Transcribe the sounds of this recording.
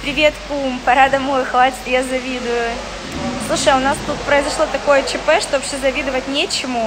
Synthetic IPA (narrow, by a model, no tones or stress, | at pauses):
pɾʲɪvʲe̞t̪pumpɐɾad̪ɐmo̞jʊxvatʲɪ̥t̪jazɐvʲid̪ʊjʊ | slˠuʂəjʊnast̪ut̪pɾəɪzɐʂlˠot̪ɐko̞jət͡ɕɪpɛʂt̪osʲezɐvʲid̪ɨvətʲnʲet͡ɕɪmʊ